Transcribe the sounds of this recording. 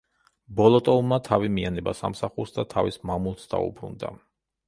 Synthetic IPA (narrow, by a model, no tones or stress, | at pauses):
bɔlˠɔt̪ʼɔulˠmat̪ʰavimianɛbasa̰msaχuɾsd̪at̪ʰavismamulˠt̪sd̪a̰ṵbɾṵnd̪a̰